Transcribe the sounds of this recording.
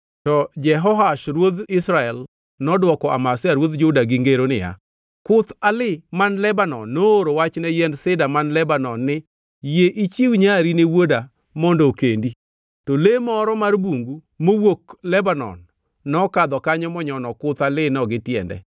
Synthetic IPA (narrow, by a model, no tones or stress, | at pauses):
tɔd͡ʒɛɦɔɦaʃɾwod̪ɪsɾaɛl | nɔdwɔkɔʔa̰masɪaɾwod̪d͡ʒʊdaɡɪŋɡeɾonɪ̰ja̰ | kʊt̪alɪmanlɛbanɔnːooɾowat͡ʃnɛjɛndsɪdamanlɛbanɔnːɪ | jeʔit͡ʃiwɲaɾinewoda | mɔndokendi | tolemɔɾɔmarbuŋɡu | mowoklɛbanɔ̰nː | ɔkad̪ɔkaɲɔmɔɲɔnɔkʊt̪alɪnɔɡɪtjɛ̰ndɛ̰